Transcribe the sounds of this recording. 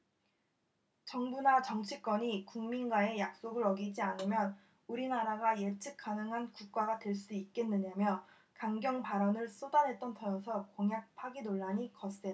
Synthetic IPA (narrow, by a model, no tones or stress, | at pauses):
t͡ɕʌŋbunat͡ɕʌŋt͡ɕʰik͈wʌɲikuŋminɡwae̞jak̚s͈oɡɯɾʌɡid͡ʑianɯmjʌn | uɾinaɾaɡaje̞t͡ɕʰɯk̚k͈ʰanɯŋɦankuk̚k͈aɡatwe̞ɭs͈uit̚k͈e̞nːɯɲamjʌ | kaŋɡjʌŋpaɾʌnɯɭs͈odanɦe̞t̚t͈ʌntʰʌʌsʰʌkʌŋjak̚pʰaɡinoɭːaɲikʌse